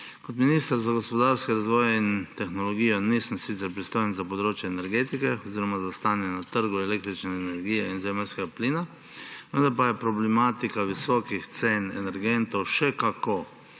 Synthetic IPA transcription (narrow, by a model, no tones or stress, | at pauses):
kot̪minist̪əɾzaɡospɔd̪aɾskɛɾazʋɔːjɛint̪ɛxnɔlɔɡiːjɔnisəmsit̪sɛɾpɾist̪oːjənzapɔd̪ɾoːt͡ʃjɛːnɛɾɡeːt̪ikɛɔziːɾɔmazast̪aːnjɛnat̪əɾɡuɛleːk̚t̪ɾit͡ʃnɛːnɛɾɡiːjɛinzɛmɛlskɛɡapliːna | ʋənd̪aɾpajɛpɾɔblɛmaːt̪ikaʋisɔkixt̪senɛnɛɾɡent̪ɔwʃɛkako